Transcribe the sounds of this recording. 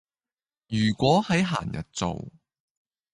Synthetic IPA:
jyː˨˩kʷɔː˨˥hɐ˨˥jɦa̰ː˨˩njɐ̰˨t̚t͡so̰˨w

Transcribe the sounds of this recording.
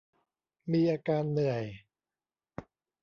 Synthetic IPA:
miː˧ʔaː˧kaː˧nːɯ˨˩əj

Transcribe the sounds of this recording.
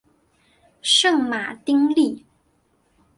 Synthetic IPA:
ʂɤ˥˩ŋma˨˩t̪i˥ŋli˥˩

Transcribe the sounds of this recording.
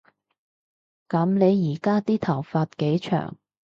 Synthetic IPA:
kɐ˨˥mne˨˧jjiː˨˩kaː˥t̪iː˥t̪ʰɐ˨˩wfaː˧t̚ke˨˥jt͡ʃʰœ̰ː˨˩ŋ

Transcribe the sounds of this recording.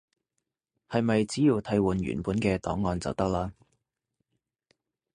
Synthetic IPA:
hɐ˨jmɐ˨jt͡siː˨˥jiː˨˧wt̪ʰɐ˧jwuː˨nɥy̰ː˨˩npuː˨˥nkɛː˧t̪ɔ̰ː˨˥ŋːɔː˨nt͡sɐ̰˨˩wt̪ɐ˥k̚laː˥

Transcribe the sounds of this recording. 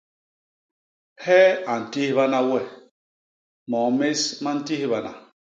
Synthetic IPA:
hɛ˦a˨n̩˨ti˦hβa˦na˦wɛ˦˨ | mɔ˨me˦sma˦n̩˦ti˦hβa˨na̰˨

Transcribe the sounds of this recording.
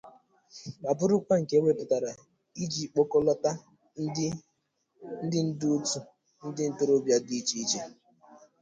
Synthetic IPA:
ma˨bʊ˦ɾʊ˦kʷa˦ŋ̩˨ke˦wʷe˦pʊ˨ta˨ɾa˨ | i˦d͡ʒi˨k͡po˦kɔ˦lɔ˦ta˦ | n̩˦dɪ˦n̩˦du˦tu˦ | n̩˦dɪ˦n̩˦to˦ɾo˦bja˦di˨i˦t͡ʃi˦i˦d͡ʒe˨

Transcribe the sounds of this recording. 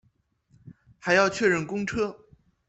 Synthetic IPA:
xa˨˧˥ɪjɑ˥˧ʊt͡ɕʰɥɛ˥˧ɻə˥˩nkʊ˥ŋʈ͡ʂʰɤ˥

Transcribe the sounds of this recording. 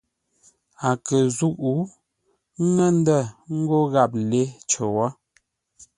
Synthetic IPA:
a˨kə˨zu˦ʔu˨˦ | ŋə˦n˦də˦˨ŋ̩˦ɡo˦ɣa˦˨p̚le˦t͡ʃə˨wa˦

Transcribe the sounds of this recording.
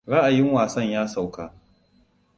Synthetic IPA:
ɽɐ˦ʔa˨jɪ˦ŋwaː˨sɐ˦ɲjaː˦sa˨wkaː˨

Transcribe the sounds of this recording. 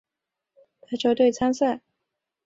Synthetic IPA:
t̪ʰa˥t͡ɕjo˥˧ʊt̪we˥˩ɪt͡sʰa˥nsa˥˩ɪ

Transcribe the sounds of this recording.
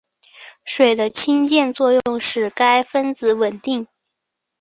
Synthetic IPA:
ʂwe˨˩ɪd̪ə˦t͡ɕʰi˥ŋt͡ɕjɛ˥˧nt͡swɔ˥˧jʊ˥˧ŋʂɻ̩˥˩ka˥ɪfə˥nt͡sɹ̩˧˥wə˨˩nt̪i˥˩ŋ

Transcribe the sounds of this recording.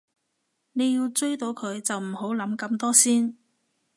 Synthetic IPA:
ne˨˧jiː˧wt͡sɵ˥ɥt̪o˨˧wkʰɵ˨˧ɥt͡sɐ˨wm̩˨˩ho˨˥wlɐ˨˥mkɐ˧mt̪ɔː˥siː˥n

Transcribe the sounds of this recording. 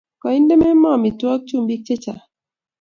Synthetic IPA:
kɔ˨i˦nde˦mɛ˦mɔ˦˨mi˨twɔ˦k̚t͡ʃu˦˨mbi˦k̚t͡ʃe˦t͡ʃa̰˨

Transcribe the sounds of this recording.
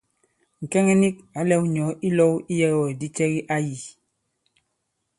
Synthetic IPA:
ŋ̩˨kɛ˦ŋɛ˦ni˦k̚a˨˦lɛ˦wɲɔ˨˦ʔi˦lɔ˦wi˦jɛ˦ɣɔ˨di˦t͡ʃɛ˦ɣi˦ʔa˦ji˨

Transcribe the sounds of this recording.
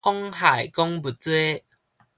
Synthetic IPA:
ɔ˦ŋha˨˩jkɔ˦ŋbu˨˩t͡swe˦

